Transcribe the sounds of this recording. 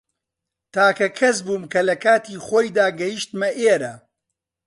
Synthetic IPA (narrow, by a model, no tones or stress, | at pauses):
t̪ʰaːkɐkʰɐsbuːmkɐlɐkaːt̪iːχoːjd̪aːɡɐjiʃt̪mɐʔeːɾɐ